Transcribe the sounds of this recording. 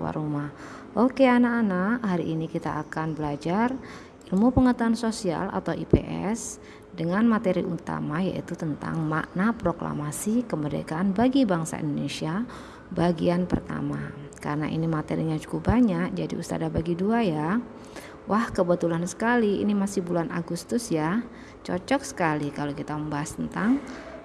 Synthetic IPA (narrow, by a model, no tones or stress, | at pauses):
wa̰ɾumah | ʔokeanaːnaʔhaɾḭʔːnikit̪aʔːkanbəlad͡ʒar | ilmupəŋət̪uansosia̰lʔa̰t̪awipḛʔɛ̰s | dəŋanmat̪eɾiʔut̪a̰maja̰ʔḭt̪ut̪ənt̪a̰ŋma̰ʔnapɾokla̰masikəmədḛkaːnbaɡibaŋsa̰ḭndonesia | baɡianpərt̪a̰ma | ka̰ɾəna̰ʔḭnimat̪ḛɾiɲad͡ʒukʊp̚baɲak̚d͡ʒadḭust̪a̰dabaɡiduaja | wʔahkəbət̪ulansə̥kaliḭnimasihbulanʔaɡust̪ʊsja | t͡ʃɔ̰t͡ʃɔksə̥kalikalakit̪aməmbaɦast̪ənt̪aŋ